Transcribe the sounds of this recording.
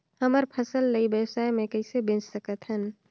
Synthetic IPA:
həməɾpʰəsəlːəibəsaːemẽkəɪsebɪ̃nd͡ʒsəkət̪ɦən

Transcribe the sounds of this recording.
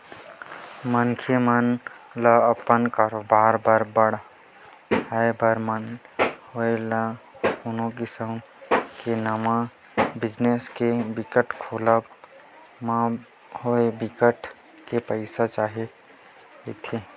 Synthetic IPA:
mənkʰemənləəpənkaːɾoːbaːɾbəɾbəɽ | əebʱəɾmənɦoeləʊnõkisəm | kenama | bɪd͡ʒneskebɪkəʈkʰoləb | ma | hoebikəʈ | kepəɪsat͡ʃaːɦe | et̪ʰe

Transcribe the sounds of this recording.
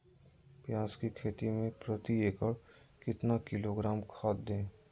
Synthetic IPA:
pjãːskikʰeːt̪imẽpɾət̪ieːkəɽ | kɪt̪nakɪloɡɾaːmkʰaːt̪̚d̪ẽː

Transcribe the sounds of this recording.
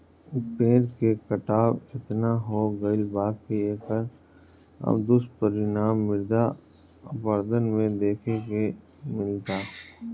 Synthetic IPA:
pẽːɾkekəʈaːbɪt̪naɦoɡəɪlbaːɡkieːkəɾ | ɐ̰bd̪ʊst̪̚pəɾɪnaːmːɪɾd̪a | pəɾd̪ənmẽd̪eːkʰeke | mɪlt̪aː

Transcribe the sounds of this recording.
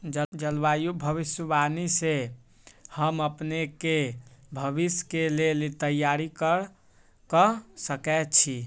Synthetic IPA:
d͡ʒd͡ʒəlbajubʱəβisjəbanise | həməpnekebʱəbiskelelit̪əjaɾikəɾ | kəsəkɛt̪t͡ʃʰi

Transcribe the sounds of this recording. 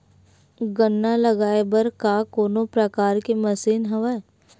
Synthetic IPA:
ɡənːalɐɡaːebəɾkakoːnopɾɐkaːɾkemɐsiːnɦɐʋa

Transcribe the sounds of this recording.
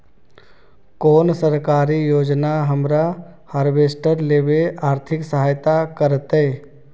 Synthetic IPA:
koːnsəɾkaːɾijoːd͡ʒnaɦəmɾahaːɾʋeːsʈəɾleːbeʔaːɾt̪ʰɪksəɦaːjt̪akəɾt̪eː

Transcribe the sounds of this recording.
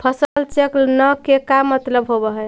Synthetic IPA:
pʰəsəlt͡ʃeklnəkekamːət̪ləbɦobəɦɛ

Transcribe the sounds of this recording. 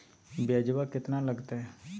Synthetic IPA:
bjaːd͡ʒʋakɪt̪naləɡt̪aɦɛ

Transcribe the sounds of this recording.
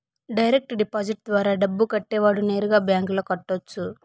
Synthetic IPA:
ɖɐjɾek̚ʈɖipaːd͡ʒiʈ̚d̪ʋaːɾaːɖɐbːukɐʈːɛːʋaːɽune̞ːɾuɡaːbjaːŋkloːkɐʈːot͡ʃːu

